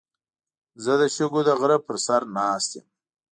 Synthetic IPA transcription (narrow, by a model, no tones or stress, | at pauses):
zəd̪əʃəɡod̪əɣɾəpəɾsaɾnɑːst̪em